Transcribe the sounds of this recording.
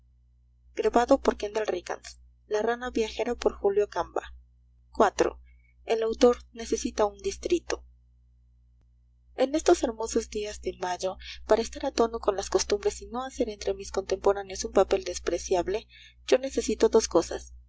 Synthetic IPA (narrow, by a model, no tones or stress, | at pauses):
ɡ̥ɾaβaðo̞po̞ɾkend̪elrika̰ns | laranaβjaxe̞ɾapo̞ɾxuljo̞kamba̰ | kwat̪ɾo̰ | elawt̪o̞ɾne̞se̞sit̪aund̪ist̪ɾit̪o̞̥ | e̞ne̞st̪o̞se̞ɾmo̞so̞zd̪iazðe̞maʝo̞paɾaest̪aɾat̪o̞no̞ko̞nlaskost̪umbɾe̞sino̞ase̞ɾe̞nt̪ɾe̞misko̞nt̪e̞mpo̞ɾanjo̞sumpape̞ld̪e̞spɾe̞sjaβle̞ | ɟ͡ʝo̞ne̞se̞sit̪o̞ðo̞sko̞sa̰s